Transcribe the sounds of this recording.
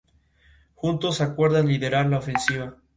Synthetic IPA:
xunt̪o̞sakwe̞ɾðanliðe̞ɾaɾlaofe̞nsiβa

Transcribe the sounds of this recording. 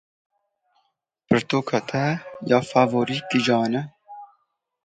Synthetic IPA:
pɨɾt̪oːkʰɑːt̪ʰɛjɑːfaːvoːɾiːkid͡ʒɑːnɛ

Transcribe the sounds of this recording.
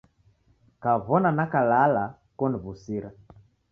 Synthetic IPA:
kavɔnanakalala | kɔniβusiɾa

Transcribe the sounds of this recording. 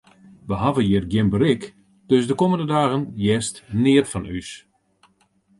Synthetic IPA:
ʋəɦavəjɪərɡjɪnbəɾɪk | d̥øsdəkoməndədaːɣənjɛstnɪətfɔnys

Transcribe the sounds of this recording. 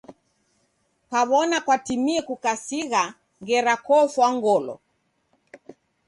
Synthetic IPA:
paβɔnakwatimiɛkukasiɣa | ŋɡɛɾakɔfwaŋɡɔlɔ̰

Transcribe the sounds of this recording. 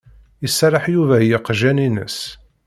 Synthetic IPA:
isːɾˤəħjuvæjɪqʒæninə̰s

